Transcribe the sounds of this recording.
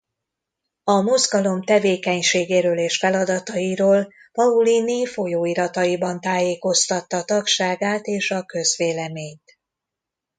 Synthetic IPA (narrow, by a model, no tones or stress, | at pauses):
ɒmozɡɒlo̞mt̪ɛveːkɛɲʃeːɡeːɾøːleːʃfɛlɒd̪ɒt̪ɒiɾoːl | pɒulinifo̞joːiɾɒt̪ɒjibɒnt̪aːjeːko̞st̪ɒt̪ːɒt̪ɒkʃaːɡaːt̪eːʃɒkø̞zʋeːlɛmeːɲt̪